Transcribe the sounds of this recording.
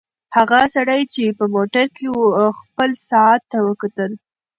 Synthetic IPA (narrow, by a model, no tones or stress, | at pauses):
haɣasaɽajt͡ʃepəmoʈaɾkewuxpəlsɑɑt̪ːawəkat̪əl